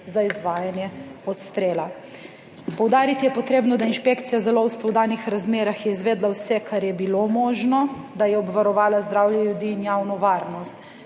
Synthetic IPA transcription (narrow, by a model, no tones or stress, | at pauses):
zaizʋaːjanjɛɔt̪st̪ɾeːla | pɔwd̪aːɾit̪ijɛpɔt̪ɾeːbnɔd̪ainʃpeːkt̪sijazɛlɔwst̪ʋɔwd̪aːnixɾazmeːɾaxjɛizʋeːd̪lawsɛkʰaɾjɛbilomɔːʒnɔ | d̪ajɛɔbʋaɾɔʋaːlazd̪ɾawjɛljud̪iːnjawnɔʋaːɾnɔst̪